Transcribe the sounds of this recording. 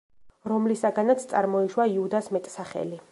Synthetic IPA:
ɾɔmlisaɡanat̪sʰt̪sʼaɾmɔiʃwaiud̪asmɛt̪ʼsaχɛ̰li

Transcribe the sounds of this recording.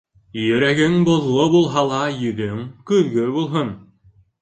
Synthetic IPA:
jɵ̆ɾæɡɘŋbŏðʁobulˠɦɑlˠɑjɵ̆ðɵŋkʉðɡɵbulˠɦɤn

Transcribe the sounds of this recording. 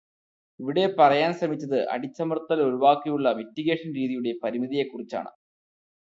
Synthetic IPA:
iʋiɽe̞pɐrɐjaːnʂɐmit͡ɕːɐðɨʔɐ̰ɽit͡ɕːɐmɐrt̪ɐlo̞ɾuʋaːkːijuɭːɐʋetːiɣe̞ːʂɐnɾiːðijuɽe̞pɐɾimiðije̞kːurit͡ɕːa̰ːɳɨ̰

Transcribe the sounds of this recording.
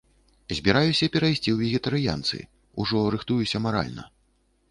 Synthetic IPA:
zʲbʲiɾajusʲɐpʲɛɾajsʲt͡sʲiwvʲɛɣʲɛt̪ɐɾɨja̰nt̪sɨ̰ | uʐɔɾɨxt̪ujusʲɐmaɾa̰lʲnɐ̰

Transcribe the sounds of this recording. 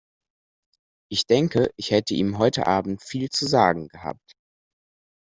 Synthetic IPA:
ʔɪçd̥ɛŋkəʔɪçhɛtəʔiːmɦɔʏtə̰ʔaːbm̩tfiːlt͡suzaːɡŋ̩ɡəha̰ːp̚t

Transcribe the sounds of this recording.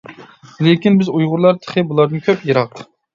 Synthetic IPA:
lɪkʲinbɪzujʁʊɾlˠɑɾt̪ʰə̥χʰɨbulˠɑɾd̪ɨnkʲʰøpjeɾɑq

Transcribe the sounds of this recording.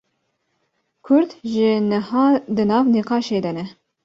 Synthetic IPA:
kʰʊɾd̪ʒɪnəhɑːd̪ɨnɑːvniqɑːʃeːd̪ɛnɛ

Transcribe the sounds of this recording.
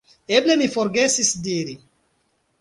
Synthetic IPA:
eblemifoɾɡesisd̪iɾi

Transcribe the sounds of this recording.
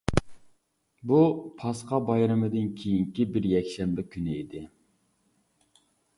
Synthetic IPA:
bupʰɑsqɑbɑjɾɨmɨd̪ɪnkʲʰejiŋkʲibɪɾjɛkʲʃɛmbɪkʲʰynɪid̪ɪ

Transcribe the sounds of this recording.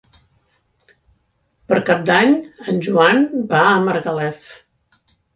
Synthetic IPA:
pəɾkap̚d̪aɲənʲʒuanbaəməɾɣəlɛf

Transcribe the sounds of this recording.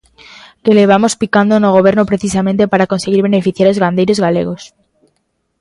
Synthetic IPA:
ke̞leβ̞amo̞spikand̪onoɣ̞o̞β̞e̞ɾnopɾe̞θisamẽnt̪e̞paɾako̞nseɣ̞iɾβe̞ne̞fiθjaɾozɣand̪ejɾozɣale̞̰ɣ̞o̞s

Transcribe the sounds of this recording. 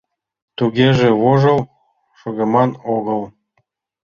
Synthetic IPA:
t̪uɣeʒĕβoʒɤ̆l | ʃoɣemɑnoɣɤlˠ

